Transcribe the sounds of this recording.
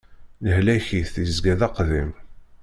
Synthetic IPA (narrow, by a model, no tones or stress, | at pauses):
ləhlæçiθθizɡæðɑqðim